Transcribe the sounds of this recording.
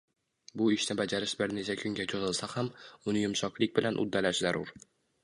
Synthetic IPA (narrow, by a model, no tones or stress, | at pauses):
bʊɪʃnɪbad͡ʒaɾɪʃbɪɾnet͡ʃʰakʰʊŋɡʲat͡ʃʰozɪlˠsahamʊnɪjʊmʃɒklˠɪkʲbɪlanʔʊ̰d̪ːalaʃzaɾʊɾ